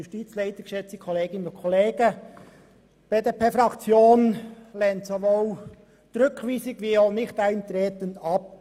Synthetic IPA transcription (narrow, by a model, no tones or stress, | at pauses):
jʊʃtiːt͡slɛɪt̪əɡ̥ʃɛt͡sikʰɔleːɡɪnənʊnkʰoleːɡ̥ə | b̥eɪdəpʰefɾɑkt͡sjoːnlɛːntsoʋoːl | tɾʏkʰʋiːsɪɡʋiːoːnɪxtæɪnt̪ɾeːtəndɑp̚